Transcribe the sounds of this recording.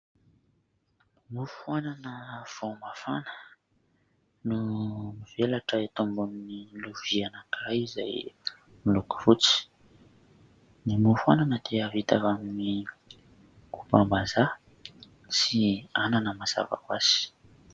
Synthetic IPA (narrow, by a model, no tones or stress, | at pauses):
mufuananəv̥omafanə̥ | numivelaʈ͡ʂəet̪ombunniluvianakajiza̰j | miluku̥v̥ut͡si̥ | nimufuananət̪eəvit̪avamini | kupambaza | siananəmaza̰va̰kwaz̥i̥